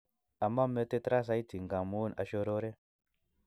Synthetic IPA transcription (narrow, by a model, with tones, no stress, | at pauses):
a˨ma˦me˦te˦tɾa˦s̬a˨˦i˦tʰi˨ŋɡa˨mu˦na̰˨ʃo˧ɾo˦ɾe˦